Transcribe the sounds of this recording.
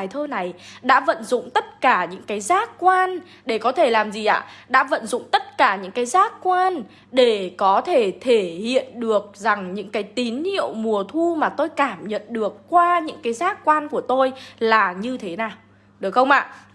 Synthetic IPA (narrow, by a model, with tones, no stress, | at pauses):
a˨˩jt̪ʰəː˧na˨˩jɗa̰ː˧˥və̰˧˨nzʊ̰˧˨ŋ͡mt̪ə˦˥t̚kaː˧˩ɲɨ̰˧˥ŋkaː˨˦jzaː˦˥k̚kwaː˧n | ɗe˧˩kɔ˨˦t̪ʰe˧˩laː˨˩mzi˨˩ʔa̰ː˧˨ɗa̰ː˧˥və̰˧˨nzʊ̰˧˨ŋ͡mt̪ə˦˥t̚kaː˧˩ɲɨ̰˧˥ŋkaː˨˦jzaː˦˥k̚kwaː˧n | ɗe˧˩kɔ˨˦t̪ʰe˧˩t̪ʰe˧˩hḭ˧˨ənɗɨ˨˩ək̚za˨˩ŋɲɨ̰˧˥ŋkaː˨˦jt̪i˨˦nhḭ˧˨əwmu˨˩ət̪ʰu˧maː˨˩t̪o˧jkaː˧˩mɲə̰˧˨nɗɨ˨˩əkːwaː˧ɲɨ̰˧˥ŋkaː˨˦jzaː˦˥k̚kwaː˧nku˧˩ət̪o˧jlaː˨˩ɲɨ˧t̪ʰe˨˦naː˨˩w | ɗɨ˨˩əkxə˧wŋ͡mʔa̰ː˧˨